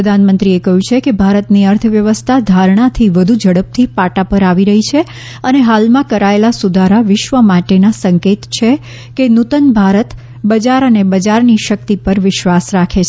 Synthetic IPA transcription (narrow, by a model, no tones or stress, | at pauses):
pɾəd̪ʱanmənt̪ɾiekəɦjũt͡ʃʰekebʱaɾət̪niəɾt̪ʰəʋjəʋəst̪ʰad̪ʱaɾɳ̃at̪ʰiʋəd̪ʱud͡ʒəɽəp̚t̪ʰipaʈapəɾaʋiɾəɦit͡ʃʰe | əneɦalmãkəɾaelasud̪ʱaɾaʋɪʃʋəmaʈenasəŋket̪t͡ʃʰe | kenut̪ənbʱaɾət̪ | bəd͡ʒaɾənebəd͡ʒaɾniʃək̚t̪ipəɾʋɪʃʋasɾakʰet͡ʃʰ